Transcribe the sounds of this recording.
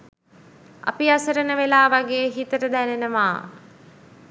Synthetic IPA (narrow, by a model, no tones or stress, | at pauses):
a̰piasəɾənəʋelaːʋaɡeːɦit̪əɾəd̪ænenəʋa̰ː